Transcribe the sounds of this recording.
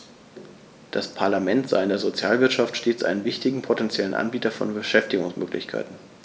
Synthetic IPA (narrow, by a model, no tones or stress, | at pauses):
d̥aspʰaɐlamɛntz̥a̰ɪɪndeːɐzot͡sjaːlvɪɐtʃaftʃteːt͡sʔa̰ɪnənvɪçtɪɡŋ̩pʰotɛnt͡sjɛlənʔa̰nbiːtɐfɔ̰nbəʃɛftɪɡʊŋsmʔø̰ːklɪ̰çkʰa̰ɪtn̩